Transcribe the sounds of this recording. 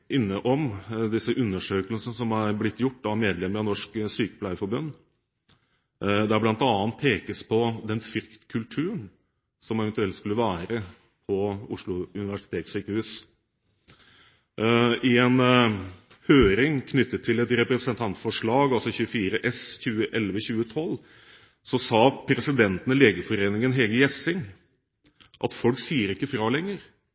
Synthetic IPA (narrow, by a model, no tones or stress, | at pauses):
ɪnːəʔɔmd̪ɪsəʔʉnːəʂøːkəlsnəsɔmæɾblɪt̪ːjʊʈːɑʋmeːd̪lɛmːəɾɑnɔʂksyːkə̥pʰlæɪəfɔɾbʉnː | d̪æblɑnt̪ɑːnt̪̚pʰeːkəspʰɔd̪ɛnfɪɾkt̪kʰʉlt̪ʰʉːəɳ | sɔmɛʋɛnt̪ʉɛlt̪skʉlːəʋæːɾə | pʰɔʊʂɭʊʉnɪʋæʂɪ̥t̪ʰeːt̪syːkəɾhʉːs | ɪɛn | høːɾɪŋkʰnʏt̪ːət̪ʰːɪlɛt̪ɾɛpɾɛsənt̪ʰɑnt̪fɔʂɭɑːɡɑlsɔçʉːəfiːɾəʔɛsçʉːəʔɛlʋəçʉːət̪ʰɔlː | sɔsɑːpʰɾɛsɪd̪ɛnt̪ənəleːɡəfɔɾeːnɪŋənɦɛɡəjɛsɪŋ | ʔɑ̰t̪fɔlksiːəɾɪkːəfɾɑːlɛŋːəɾ